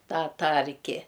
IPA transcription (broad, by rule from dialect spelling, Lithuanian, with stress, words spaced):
ˈtɑː ˈtɐrʲkʲɪ